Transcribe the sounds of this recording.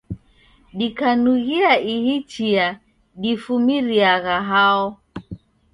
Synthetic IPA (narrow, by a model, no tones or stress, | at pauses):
ɗikanuɣiaihit͡ʃia | ɗifumiɾiaɣaɦaɔ